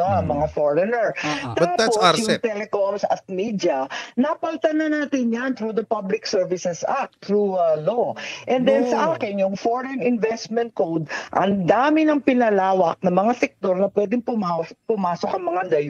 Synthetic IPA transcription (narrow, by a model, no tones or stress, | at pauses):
ɐmɐŋafoɹɛnɛɹt̪aːp̪ːosjʊŋt̪ɛlɛkomsɐ̰t̪̚midɐnɐpɐlt̪ɐnɐnaːt̪ɪnjant̪ɾud̪ɐpablɪksɛɹvɪsɛsʔak̚t̪ɾuloʔɛnd̪ɛnsɐʔaːkɪnjʊŋfoɹɛnɪnvɛst̪mɛ̃nt̪̚kowd̪ʔɐ̰ŋd̪aːmɪnɐŋpɪnɐlaːwɐk̚nɐmɐŋasɛk̚t̪o̞ɾnɐpwɛd̪ɪŋpʊmapʊmaːsokɐŋmɐŋad̪ɐj